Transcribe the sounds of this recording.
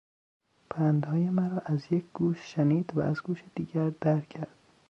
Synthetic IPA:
pʰænd̪hɒːjemæɾɒːʔæzjecʰɡ̥uːʃʃeniːd̪væ̰æzɡuːʃed̪iːɟæɾd̪̥æɾcʰæɾd̪̥

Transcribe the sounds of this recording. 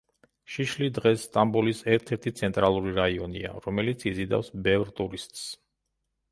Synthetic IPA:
ʃiʃlid̪ʁɛsːt̪ʼambulisɛɾt̪ʰɛɾt̪ʰit̪sʰɛnt̪ʼɾalˠuɾiɾaiɔnia̰ɾɔmɛlit̪sʰizid̪a̰fsbɛvɾt̪ʼuɾist̪ʼs

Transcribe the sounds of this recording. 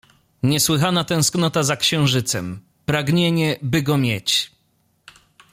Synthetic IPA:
ɲɛswɘxanat̪ɛ̃w̃sknɔt̪azakɕɛ̃w̃ʐɘt̪sɛm | pɾaɡɲeɲɛbɘɡɔmʲjet͡ɕ

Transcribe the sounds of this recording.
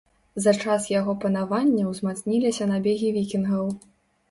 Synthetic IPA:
zɐt͡ʂasjaɣɔpɐnavanʲːɐwzmat̪snʲilʲisʲɐnabʲeɣʲivʲikʲinɣɐw

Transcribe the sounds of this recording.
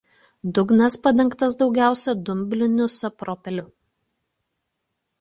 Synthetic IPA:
d̪ʊɡnɐspɐd̪ʲɛŋkt̪ɐs̬d̪ɒʊɡʲæˑʊsʲɛd̪ʊmʲbʲlʲɪnʲʊsɐpɾɔːpʲɛlʲʊ

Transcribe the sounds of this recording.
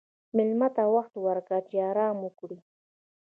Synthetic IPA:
mɪlmat̪awaxt̪waɾkat͡ʃeɑɾɑmukɽi

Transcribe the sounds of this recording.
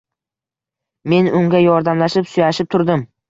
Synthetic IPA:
me̞nʊŋɡʲajɒɾd̪amlaʃɪpsʊjaʃɪp̚t̪ʰʊɾd̪ɪm

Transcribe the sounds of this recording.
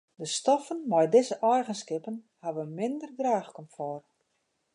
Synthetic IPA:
dəstɔfənmɛjdɪzəʔɛjɣənskɪpən | haʋəmɪndərdraːxkɔmfɔr

